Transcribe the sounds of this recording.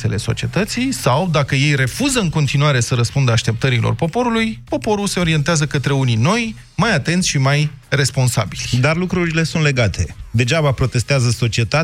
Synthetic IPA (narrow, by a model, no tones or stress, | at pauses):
e̞le̞so̞̰t͡ʃie̞t̪ət̪sijsawd̪akəje̞jre̞fuzəɨŋko̞nt̪inuaɾe̞səɾəspund̪əaʃt̪e̞p̚t̪əɾilo̞̰rpo̞po̞ɾulujpo̞po̞ɾulse̞o̞ɾie̞nt̪eazəkət̪ɾe̞unino̞j | majat̪e̞nt̪sʲʃimaj | re̞spo̞nsa̰bilʲd̪arlukɾuɾile̞sunt̪le̞ɡat̪ʰe̞d̪e̞ʒabapɾo̞t̪e̞st̪eazəso̞t͡ʃie̞t̪a